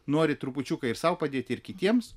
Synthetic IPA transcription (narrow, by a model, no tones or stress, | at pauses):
noːɾʲɪt̪ɾʊpʊt͡ʃʲukɐɪɾsɐʊpɐd̪ʲeːt̪ʲɪɾkʲɪt̪ʲiɛms